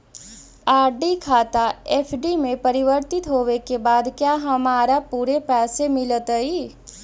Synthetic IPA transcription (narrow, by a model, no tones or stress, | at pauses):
aːɾɖikʰaːt̪aeːpʰɖimẽpɐɾɪʋəɾt̪ɪt̪ɦoːʋekebaːd̪kjaːɦɐmaːɾapuːɾepɛːsemɪlət̪ɦəiː